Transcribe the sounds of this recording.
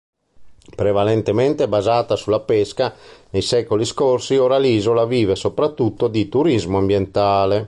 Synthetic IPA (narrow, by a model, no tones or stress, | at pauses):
pɾevalent̪ement̪ebazaːt̪asulapeskanejsɛːkoliskorsioːɾaliːzolaviːvesopɾat̪ːut̪ːod̪it̪uɾizmoambjent̪aːle